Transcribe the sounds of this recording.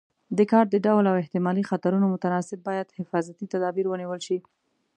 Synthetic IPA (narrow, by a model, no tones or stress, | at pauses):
d̪əkɑɾʈ̚d̪əɖawlawɪht̪ɪmɑlixat̪aɾunomʊt̪anɑsɪb̚ːɑjad̪hɪfɑzat̪it̪ad̪ɑbiɾwəniwəlʃi